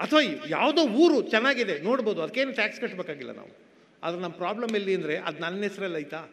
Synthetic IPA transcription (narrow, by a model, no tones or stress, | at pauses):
ɐt̪ʰʋɐjja̰ːʋd̪oːuːɾut͡ʃɛnːaːɡid̪e̞no̞ːɽbo̞ːd̪uɐd̪ɐkːe̞ːnuʈaːkskɐʈːbeːkaːɡilːɐ̰na̰ːʋu | a̰ːd̪ɾenɐmːɐpɾaːblɐmelːiɐnd̪ɐɾe̞ʔɐ̰d̪nɐnːɛsɐɾɛlɐjt̪aː